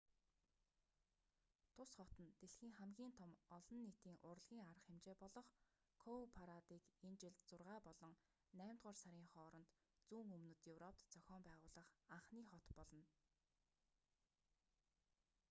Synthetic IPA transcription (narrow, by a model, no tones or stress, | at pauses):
t̪ʰʊsχɔt̪ə̆nt̪eɮxiːŋχæmɡʲiːnt̪ʰɔmɔɮɞ̆nːit̪iːŋʔʊrɮɣʲiːŋaɾə̆χemt͡ɕeːpɔɮɞ̆χ | kʰopʰaɾat̪iːkent͡ɕɪ̆ɮt̪t͡sʊrʁaːpɔɮɞ̆ŋ | næːmt̪ʁaːrsaɾʲiːŋχɔːɾɞ̆nt̪ | t͡suːŋɵmnɵ̆t̪jɵwrɔp̚t̪t͡sœxʲɔːmpæːʁʊːɮə̆χaɴχniːχɔt̪pɔɮɞ̆n